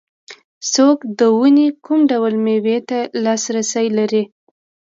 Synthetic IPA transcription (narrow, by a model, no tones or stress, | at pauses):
sokd̪əwunikumɖawəlmewet̪alɑsɾasəjlaɾi